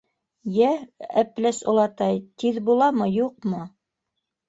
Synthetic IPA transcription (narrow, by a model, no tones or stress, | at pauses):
jææplæsŏlˠɑt̪ɑjt̪iðbulˠɑmɤjuq̚mɤ